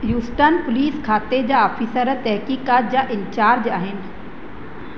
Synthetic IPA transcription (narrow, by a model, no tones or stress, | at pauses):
juːsʈənpʊliːskʰaːt̪ed͡ʑaːaːfiːsəɾət̪ɛɦkiːkaːt̪̚d͡ʑaːʔɪnt͡ɕaːɾd͡ʑaːɦɪnɪ̆